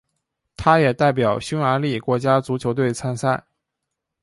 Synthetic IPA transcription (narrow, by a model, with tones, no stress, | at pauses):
t̪ʰa˥jɛ˨˩t̪a˥˩ɪp̬jɑ˨˩ʊɕju˥ŋa˧˥li˥˩kwɔ˧˥t͡ɕja˥t͡su˧˥t͡ɕʰjo˧˥ʊt̪̬we˥˩ɪt͡sʰa˥nsa˥˩